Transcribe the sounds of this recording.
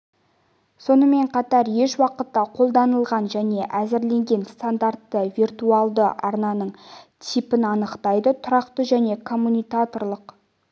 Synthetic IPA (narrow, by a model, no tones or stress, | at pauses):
so̞nəme̞ɴqʰɑt̪ɑɾje̞ʃwɑqət̪ːɑqʰo̞lˠd̪ɑnəlˠʁɑnʒæne̞ʔæzɪɾle̞ŋɡʲe̞nst̪and̪aɾt̪ːəvirt̪uɑlˠd̪ə̰ʔɑɾnɑnəɴt̪ʰipɪnɑnəqt̪ɑjd̪ət̪ʰʊɾɑqt̪əʒæne̞kʰo̞mːunijkat̪o̞rlˠəq